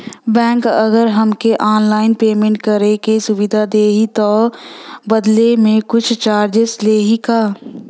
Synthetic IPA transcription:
bɛ̃ːŋkəɡəɾɦəmkeʔɔːnlaːɪnpeːmẽːɳʈkəɾekesʊwɪd̪ʱad̪eːɦit̪oː | bəd̪lemẽkʊt͡ʃʰt͡ʃaːɾd͡ʒəsleːɦikaː

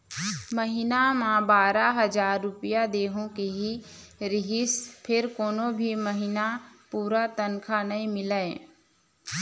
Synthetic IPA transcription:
məɦɪnamãbaːɾaɦɐzaːɾːʊpɪjad̪eːɦõkeɦiɾɪɦɪspʰɪɾkoːnõbʱiməɦɪnapuːɾat̪ənkʰanɐĩmɪləe

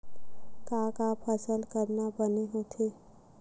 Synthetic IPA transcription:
kakapʰəsəlkəɾnabəneɦot̪ʰe

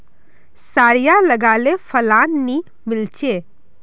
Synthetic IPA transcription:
saːɾijalɐɡaːlefʰɐlaːnːi | mɪlt͡ʃeː

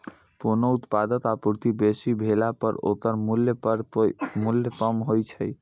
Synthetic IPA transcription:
konout̪pad̪ət̪apuɾt̪ibesibʱelapəɾo̰t̪əɾmuljpəɾmuljət̪əmɦojt͡ʃʰəj

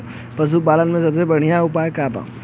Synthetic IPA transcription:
pɐzuːbaːlənmẽsɐbsebɐɽ̤ijãʊpaːkaːba̰ː

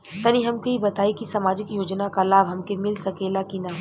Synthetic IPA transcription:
t̪ɐniɦɐmkeibɐt̪aːikisɐmaːd͡ʒɪkjoːd͡ʒnakalaːbɦɐmkemɪlsɐkeːlakinaː

